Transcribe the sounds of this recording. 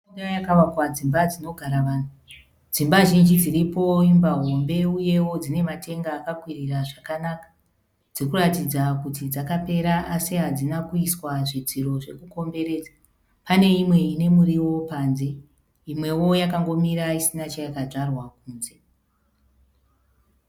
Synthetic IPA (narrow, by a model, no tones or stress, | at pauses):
dajakaʋakwad͡zimbad͡zino̞ɡʱaɾaʋaːn̤u | d͡zimbaʒind͡ʒid͡ziripo̞imbaɦo̞mbe̞uje̞wo̞d͡zine̞mate̞ŋɡaːkakwiriraʐakanakḁ | d͡zikuratid͡zakutid͡zakape̞ɾaasiɦad͡zinakuiswaʐid͡ziɾo̞ʐe̞kuko̞mbe̞ɾe̞ːd͡za | pane̞imwe̞ine̞muɾiwo̞paːnze̞ | imwe̞wo̞jakaŋɡo̞miɾaisinat͡ʃajakaʐarwakuːnze̞